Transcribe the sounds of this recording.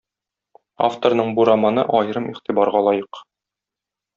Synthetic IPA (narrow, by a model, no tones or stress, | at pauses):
a̰ft̪oɾnɤɴbuɾamɑnɤʔɒjɾɤmiχt̪ibɑɾʁɑlˠɒjɤq